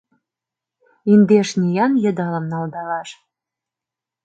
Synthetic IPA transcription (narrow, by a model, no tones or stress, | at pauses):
ind̪eʃnʲijɑnjə̆d̪ɑlə̆mnɑld̪ɑlɑʃ